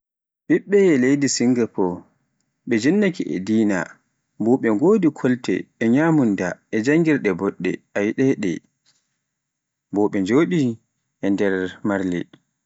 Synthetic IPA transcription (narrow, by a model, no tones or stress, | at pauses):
ɓiɓːɛɛlejdisiŋɡɛpɔ | ɓɛd͡ʒinːakiʔɛ̰diːna̰ | bɔɓɛɡoːdikʰɔltɛ̰ːɲaːmundaɛd͡ʒaŋɡiɾɗɛbɔɗːɛ̰ʔajɗɛɗɛ̰ | bɔɓɛɲd͡ʒoːɗi | ʔɛndɛɾmaɾlɛ̰